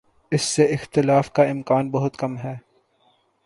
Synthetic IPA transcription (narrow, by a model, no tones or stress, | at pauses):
ɪsːeɪxt̪ɪlaːfkaɪmkaːnbɐɦʊt̪kɐmɦɛː